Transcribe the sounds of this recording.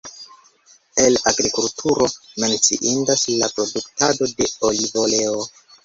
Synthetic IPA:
e̞laɡɾikultʰuɾo̞me̞nt͡sḭʔindaslapɾo̞duktado̞de̞olivo̞le̞o

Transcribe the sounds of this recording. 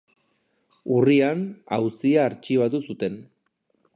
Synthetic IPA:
uriana̰wsiaːɾt͡ʃiβ̞at̪usut̪e̞n

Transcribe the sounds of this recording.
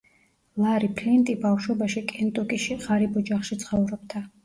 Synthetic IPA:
laɾipʰlɛnt̪ʼibafʃɔbaʃikʼɛnt̪ʼɔkʼiʃiʁaɾibɔd͡ʒaχʃit̪sʰχɔvɾɔb̚d̪a

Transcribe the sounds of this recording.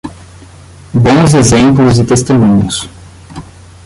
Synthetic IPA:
bõzezẽmplʊzɪt̪est̪emũɲʊs

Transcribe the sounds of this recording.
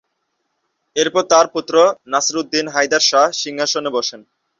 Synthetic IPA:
eɾpɔɾt̪aɾput̪ːɾonasɾud̪ːinɦajd̪aɾʃaʃiŋɦaʃonebɔʃen

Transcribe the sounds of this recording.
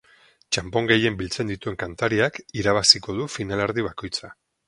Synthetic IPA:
t͡ʃampo̞ŋɡe̞je̞mbilt͡se̞nd̪it̪ue̞ŋkant̪aɾiakiɾaβasiko̞ð̞ufinalaɾðiβ̞ako̞jt͡sa

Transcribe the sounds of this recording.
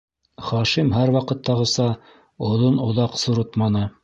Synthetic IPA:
χɑʃimɦæɾwɑqɤ̆t̪ːɑʁɤ̆sɑ | ŏðonŏðɑqsŭɾot̪mɑnɤ

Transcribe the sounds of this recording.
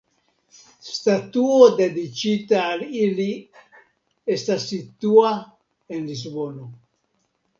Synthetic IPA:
st̪at̪uod̪ed̪it͡ʃit̪aːlili | est̪asːit̪ua | enlizbono

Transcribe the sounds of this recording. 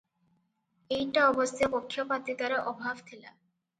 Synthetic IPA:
ejʈaɔbost̪ʰepokʰːjopat̪it̪aɾaʔɔbʱabt̪ʰela̰

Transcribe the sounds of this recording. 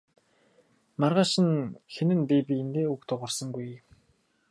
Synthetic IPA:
marʁaːʃɪ̆nxenɘ̆npipʲient̪eːukt̪ʰʊʁɔ̆rsɞ̆ŋɡuj

